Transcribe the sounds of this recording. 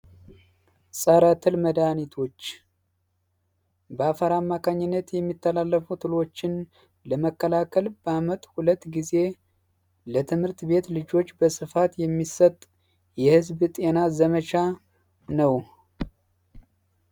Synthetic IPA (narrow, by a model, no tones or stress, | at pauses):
sʼəɾat̪ʰɨlməd̪anit̪ʰo̞t͡ʃː | bəafəɾamːakʰaɲːɪnːət̪jɛmːit̪ːəlalːəfut̪ʰɨlo̞t͡ʃːɪn | ləməkːəlakʰəlbəamət̪ʼhulət̪ːɡize̞ | lət̪ʰɨmhɨɾt̪be̞t̪lɨd͡ʒo̞t͡ʃːbəsɨfat̪jɛmːisət̪ʼ | jɛhɨzbt̪ʼe̞nazəmət͡ʃa | nəw